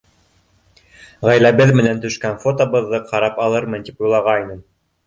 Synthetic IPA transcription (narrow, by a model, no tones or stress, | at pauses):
ʁæjlæβɘðmɘ̆nænt̪ɵ̆ʃkænfot̪ŏβɤ̆ðːɤqʰɑɾɑpɑlˠɤɾmɤnt̪ipujlˠɑʁɑjnɤm